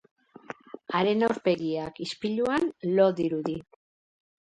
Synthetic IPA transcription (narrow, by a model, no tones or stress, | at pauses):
aɾe̞nawɾpe̞ɣiakispiʎuanlo̞ðiɾuði